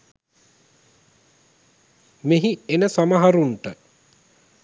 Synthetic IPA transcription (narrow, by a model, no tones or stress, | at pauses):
meɦienəsamaɦaɾuɳʈə